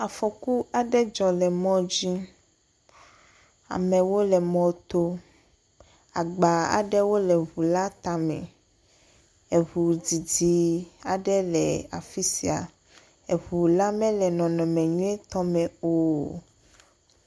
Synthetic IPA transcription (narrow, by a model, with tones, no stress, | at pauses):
a˨fɔ˨ku˦a˨ɖɛ˦d͡ʒɔ̃˨lɛ˨mɔ̃˦d͡ʑi˦ | a̰˨mɛ̃˨wo˦lɛ˨mɔ̃˦t̪o˦ | a̰˨ɡ͡ba˨a̰˨ɖɛ˦wo˦lɛ˨βu˨la˦t̪a˨mɛ̰̃˨ | e˨ɦu˨d͡zi˨di˨a˨ɖɛ˦lɛ˨a̰˨fi˦si˦a˨ | e˨βu˨la˦mɛ̃˦lɛ˨nɔ̃˨nɔ̃˨mɛ̃˨ɲu˦ẽ˦t̪ɔ˦mɛ̃˨o˦